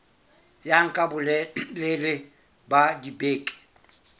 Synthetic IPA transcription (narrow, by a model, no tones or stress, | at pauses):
jaŋ̩kʼabʊlɛlelɪ | badibeːkʼɛ̥